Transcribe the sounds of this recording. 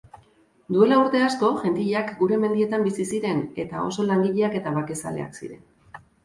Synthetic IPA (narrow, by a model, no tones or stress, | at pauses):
d̪ue̞lauɾt̪e̞asko̞ʝe̞nt̪iʎeakɡuɾe̞me̞nd̪ie̞t̪ambisisiɾe̞ne̞t̪ao̞̰so̞laŋɡiʎe̞ake̞t̪aβake̞sa̰le̞̰a̰ksḭɾe̞̰n